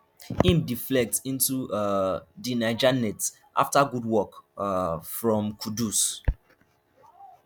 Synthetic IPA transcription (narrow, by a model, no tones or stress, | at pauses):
hĩmdiflɛk̚tĩntuadinaɪd͡ʒanɛts | ʔa̰ftaɡudwɔk | fɹɔ̃mkʰudus